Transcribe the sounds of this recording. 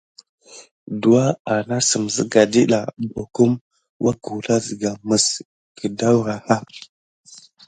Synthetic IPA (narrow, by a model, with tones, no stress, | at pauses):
du˨wa˦a˨na˦sə˨m˨zə˦ɡa˨di˦ɗa˨bo˨ku˦m | wʔa˦ku˨la˦zi˨ɡa˨mə˨s | kə˨da˦wɾa˨ha˦